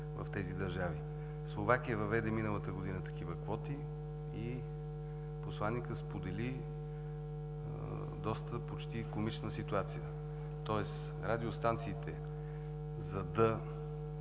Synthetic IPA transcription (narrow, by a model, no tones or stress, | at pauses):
vɐ̰ft̪ɛzid̪ɐɾʒavi | slˠovakijəvɐvɛd̪ɛminəlˠət̪əɡod̪inət̪ɐ̥kivəkvɔt̪i | i | poslˠanːikəspod̪ɛli | d̪ɔst̪əpot͡ʃt̪ikomit͡ʃnəsit̪uat̪sijə | t̪ɔɛs | ɾad̪iost̪ant̪siːt̪ɛ | zɐd̪ɐ